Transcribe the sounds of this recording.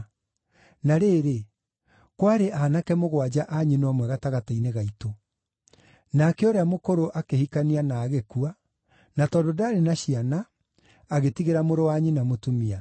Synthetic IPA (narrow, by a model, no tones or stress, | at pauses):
naɾeːɾe | kwaɾeʔaːnakɛmoɣwad͡ʑaʔaɲinwɔmwɛɣataɣataineɣaito | nakɛoɾeamokoɾoʔakehikanianaːɣekua | natɔdodaɾenaɕianaː | ɣetiɣeɾamoɾowaɲinamotumia